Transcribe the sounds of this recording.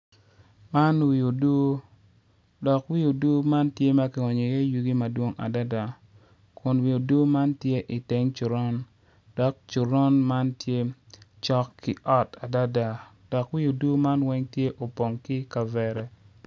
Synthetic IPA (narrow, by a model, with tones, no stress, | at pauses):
ma˦nwi˨o˨do˦ | dɔ˨kwi˦o˨du˦ma˦ntje˦ma˦kɪ˨ɔ˨ɲo˨je˦ju˨ɡi˦ma˨dwo˦ŋʔa̰˨da˦da˨ | kʰʊ˨nwi˨o˨do˦ma˦ntje˦ʔɪ˨te˨˦ŋt͡ʃʊ˨ɾɔ˦n | d̥ɔ˨k̚t͡ʃʊ˨ɾɔ˦nma˦ntje˦t͡ʃɔ˦kʰːɪ˨ʔɔ˦ta˨da˦da˨ | d̥ɔ˨kwi˦o˨du˦ma˦nwɛ˦ŋtje˦ʔo˨po˨ŋkɪ˦ka˨vɛ˨ɾɛ˦